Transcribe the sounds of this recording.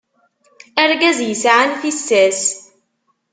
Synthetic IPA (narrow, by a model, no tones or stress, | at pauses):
ʔæɾˤɡæzjsʕanfisːæs